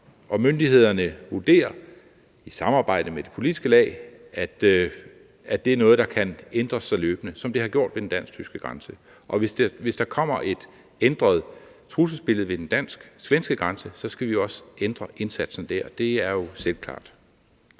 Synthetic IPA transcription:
ʔɒ̽mønd̥ihe̝ð̞̰ˠɐnəʋuɐd̥e̝̰ːɐ | isɑ̈mɑ̈ːb̥ɑ̈ɪ̰d̥əmed̥e̝̥pʰo̝lid̥isɡ̥əlɛ̰ː | æd̥ | æd̥e̝æɐnɔ̽ːð̞̩ˠd̥ɑ̈kʰænend̥ʁɐsɑ̈ɪløːb̥ənəsɒ̽md̥e̝hɑ̈ɡ̥jo̝̰d̥ʋe̝d̥en̩d̥æn̰st͡sʰysɡ̥əɡ̥ʁɑ̈nsə | ʔɒ̽ʋesd̥ʋe̝sd̥ɑ̈kʰɒ̽m̰ɐʔe̝d̥ | end̥ʁɐð̞̩ˠ | t͡sʰʁus̬əsb̥e̝l̰ð̩ˠʋe̝d̥end̥æn̰sɡ̥sʋensɡ̥əɡ̥ʁɑ̈nsəsɒ̽sɡ̥æʋiɒ̽send̥ʁɐʔe̝nsæd̥sn̩d̥æɐ̰d̥e̝æɐjo̝selkʰlɑ̰̈ːd̥

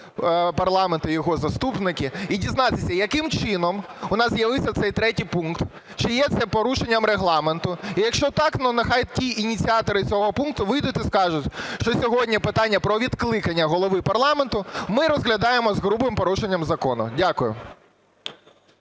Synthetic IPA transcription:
pɐrlˠɑment̪ʊjɔɦɔzɐst̪upnɪkʲɪidʲiznɑt̪ɪsʲɐjɐkɪmt͡ʃɪnɔmʊnɑzzʲjɐʋɪwsʲɐt̪sɛjt̪ɾɛtʲijpunkt̪ | t͡ʃɪjɛt̪sɛpɔɾuʃenʲːɐmɾeɦlˠɑment̪ʊijɐkʃt͡ʃɔt̪ɑknɐnɐxɑjtʲiʔinʲit͡sʲiɑt̪ɔɾɪt͡sʲɔɦɔpunkt̪ʊʋɪjd̪ʊt̪ʲiskɑʒʊtʲʃt͡ʃɔsʲɔɦɔdʲnʲipɪt̪ɑnʲːɐpɾɔʋʲid̪klˠɪkɐnʲːɐɦɔlˠɔʋɪpɐrlˠɑment̪ʊmɪɾɔzɣlʲɐd̪ɑjemɔzɣɾubɪmpɔɾuʃenʲːɐmzɐkɔnʊ̰dʲakʊjʊ̰

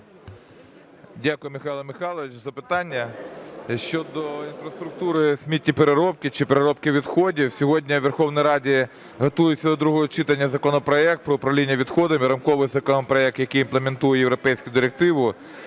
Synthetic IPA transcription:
dʲakʊjʊmɪxɑjlˠɐmɪxɑlˠɔʋɪt͡ʃzɐpɪt̪ɑnʲːɐ | ʃt͡ʃɔd̪ɔinfɾɐst̪ɾʊk̚t̪uɾɪsʲmʲitʲːipeɾeɾɔp̚kɪt͡ʃɪpeɾeɾɔp̚kɪʋʲid̪xɔdʲiwsʲɔɦɔdʲnʲɐʋerxɔwnɪjɾɑdʲi | ɦɐt̪ujʊtʲt͡sʲːɐd̪ɔd̪ɾuɦɔɦɔt͡ʃɪt̪ɐnʲːɐzɐkɔnɔpɾɔɛkt̪̚pɾɔʊpɾɐʋlʲinʲːɐʋʲid̪xɔd̪ɐmiɾɐmkɔʋɪjzɐkɔnɔpɾɔɛk̚t̪jɐkijimplˠement̪ujɛjewɾɔpɛjsʲkʊd̪ɪɾek̚t̪ɪʋʊ

